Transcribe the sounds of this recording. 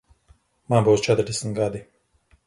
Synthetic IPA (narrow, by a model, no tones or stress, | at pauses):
manbuwst͡ʃɛt̪ɾd̪ɛsm̩t̪ɡad̪i